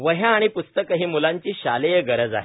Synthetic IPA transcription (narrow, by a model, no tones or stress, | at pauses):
ʋəɦjãːɽ̃ipust̪əkəɦiːmulãɲt͡ɕiːɕalejeɡəɾəd͡za̰ɦe